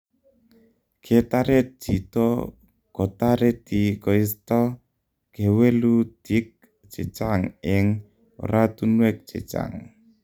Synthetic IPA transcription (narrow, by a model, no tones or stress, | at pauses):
kʰet̪aɾet̚d͡ʒ̥it̪ɔ | kot̪aɾet̪ikɔist̪ɔ | kewelud̪̥ik̚ | t͡ʃet͡ʃaŋɪŋ | o̰ɾat̪unwɛk̚t͡ʃḛt͡ʃa̰ŋ